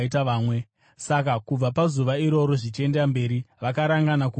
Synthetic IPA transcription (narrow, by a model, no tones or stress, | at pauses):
itaʋaːmwe̞ | sakakub͡vapazuʋaiɾo̞ɾo̞ʐit͡ʃe̞ndambe̞ːɾiʋakaɾaŋɡanaku